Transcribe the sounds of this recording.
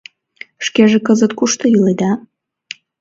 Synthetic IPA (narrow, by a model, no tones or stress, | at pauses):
ʃkeʒekəzət̪kuʃt̪ɤ̆jyled̪ɑ